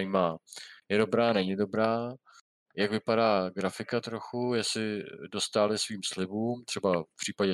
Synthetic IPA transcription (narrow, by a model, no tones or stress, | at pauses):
jimaːjɛdo̞bɾaːnɛɲɪdo̞bɾaː | jakvɪpadaːɡɾafɪkat̪ɾo̞xujasɪdo̞st̪aːlɪsviːmslɪbuːmt̪r̥ɛbafpr̥iːpaɟɛ